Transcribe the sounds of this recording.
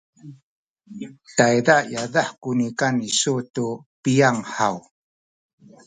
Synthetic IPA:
tajdajadaħkunikanisutupijaŋħaw

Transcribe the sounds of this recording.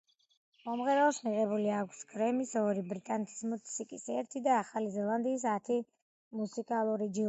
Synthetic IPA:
mɔmʁɛɾaɔsmiʁɛbuliakʰsɡɾɛmisɔɾibɾit̪ʼanɛt̪ʰi̥smut̪sʰikʼisɛɾt̪ʰid̪aːχalizɛlˠand̪iːsat̪ʰi | musikʼalˠuɾid͡ʒi

